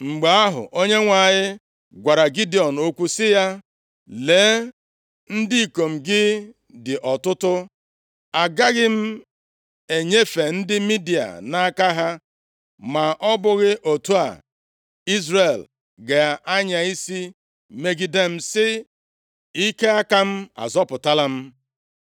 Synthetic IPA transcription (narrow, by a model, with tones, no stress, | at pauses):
ŋ͡m̩˨ɡ͡be˨a˦ɦʊ̰˨ʔo˦ɲe˦ŋʷa˨ɲɪ˦ | ɡʷa˨ɾa˨ɡi˦di˨ɔ˨n̩˨o˦kʷu˦sɪ˦ja˦ | le˨˦ | n̩˦di˦i˨ko˨m̩˨ɡɪ˦ | dɪ˨ʔɔ˨tʊ˦tʊ˦ | a˨ɡa˦ɣɪ˦m̩˦ | e˨ɲe˦fe˨n̩˦dɪ˦mi˦di˨a̰˨na˦ka˦ɦa˦ | ma˨ʔɔ˦bʊ˦ɣɪ˦ʔo˨tu˦a̰˨ | i˦zɾe˨l | ɡe˨ʔa˦ɲa˨i˦si˦ | me˦ɡi˦de˦m̩˦sɪ˦ | i˦ke˦a˦ka˦m̩˦a̰˨zɔ˦pʊ˨ta˦la˦m̩˦